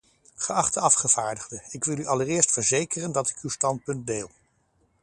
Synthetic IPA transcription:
χəɑχtəɑfχəv̥aːɹdəχdəɪkʋɪlyʔɑlərɪːɹstfəɹzejkərəndɑtɪ̥kywstɑnt̚pɵnt̚deːlˠ

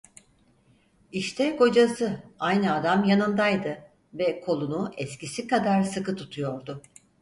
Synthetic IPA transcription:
iʃt̪ʰɛko̞d͡ʒasɯajnɯad̪amjanɯnd̪ajd̪ɯ | vɛkʰo̞lˠunuʔɛscisikad̪aɾsɯkɯt̪ʰut̪ʰujo̞ɾd̪ʊ

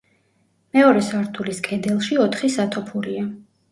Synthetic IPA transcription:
mɛɔɾɛsaɾt̪ʰuliskʰʼɛd̪ɛlˠʃiɔt̪ʰχisat̪ʰɔpʰuɾia

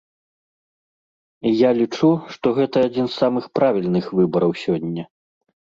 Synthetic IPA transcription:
ijalʲit͡ʂuʂt̪ɔɣɛt̪ɐːd͡zʲinsːamɨxpɾavʲilʲnɨxvɨbɐɾɐwsʲɔnʲːɛ

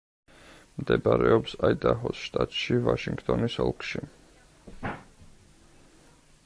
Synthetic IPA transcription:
md̪ɛbaɾɛɔpsaid̪aɦɔsʃt̪ʼat̪ʼʃivaʃiŋɡt̪ʼɔnisɔlˠkʰʃi

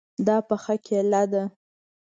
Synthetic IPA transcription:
d̪ɑpəxakʰelad̪a

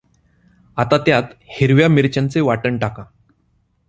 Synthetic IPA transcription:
at̪at̪jat̪hiɾʋjamiɾt͡ɕant͡seʋaʈəɳʈaka

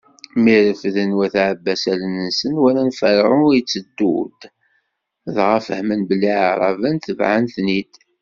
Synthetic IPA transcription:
miɾəfðənwæθʕəbːæsælənəsənwæɾænfəɾʁʊiət͡sːəd̪ːṵd̪ | ðʁafəhmənbəlːiʕaɾˤɑ̰vənθəvʕanθnid̪

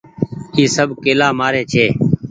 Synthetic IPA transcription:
iːsəbʱkeːlaːmaːɾeːt͡ʃʰeː

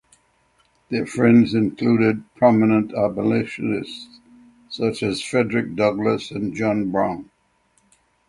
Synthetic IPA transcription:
ðə˞fɹɛ̃ndzɨ̃nkʰl̥uɾɪd̚pʰɹ̥ɑmənə̃ntʰæpəleɪʃɨnɪststs | sʌt͡ʃɨz̥fɹɛdɹɨk̚d̥ʌɡləsɨ̃nd͡ʒɑ̃nbɹãʊ̃n

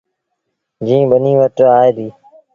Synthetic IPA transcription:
d͡ʒĩːbənĩːʋəʈaːeːd̪iː

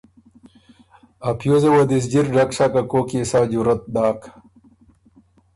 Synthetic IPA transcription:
ɐpʰjozewɐd̪is̬d͡ʑiɾɖɐkʂakɐkoːkisaːd͡ʑuɾɐt̪̚d̪aːk

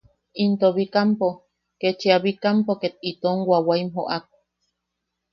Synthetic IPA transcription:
int̪oβikampo | ket͡ʃeaβikampoket̪it̪oŋwawaimɦoʔak̚ʷḁ

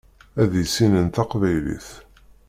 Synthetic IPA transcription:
æðisinənt̪ɑqvæjlḭθ

